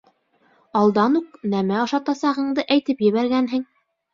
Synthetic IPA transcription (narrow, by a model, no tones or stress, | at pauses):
ɑlˠd̪ɑnuq̚næmæɑʃɑt̪ɑsɑʁɤ̆ɴd̪ɤʔæjt̪ɘpjɘ̆βæɾɡænɦɘŋ